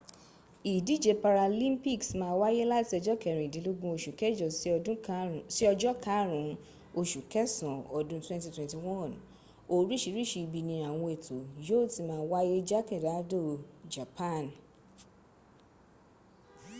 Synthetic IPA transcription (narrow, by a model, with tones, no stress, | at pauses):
i˨di˨˦˨d͡ʒe˧pa˧ɾa˧lĩ˦mpi˦˨ksmãː˧˦wa˦je˦la˦ti˦ɔ˧d͡ʒɔ˦kɛ˦˨ɾ̃ĩ˨dĩ˨˦lo˦ɡũ˦o˧ʃu˨kɛ˦d͡ʒɔ˨sũ˦si˦ɔ˧d͡ʒɔ˦ka˨˦ɾũ˨ | o˧ʃu˨kɛ˦sɔ̃˨ɔ˨dũ˦twɛ̃˦nti˧twɛ̃˨nti˨wɔ̃˦˨n | o˦ɾi˦ʃi˧˦ɾi˦ʃi˧bi˧nĩ˧a˨w̃ɔ̃˧e˨tʰo˨jo˦˨ti˨˧mãː˦˨˦wa˦je˦d͡ʒa˦kĩ˦˨da˨˦do˦˨d͡ʒa˨pã˦˨n